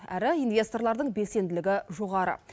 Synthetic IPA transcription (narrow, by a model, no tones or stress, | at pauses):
æɾɪijnvʲe̞st̪o̞rlˠɑɾd̪əɴbe̞se̞nd̪ɪlɪɡʲɪʒo̞ʁɑɾə̰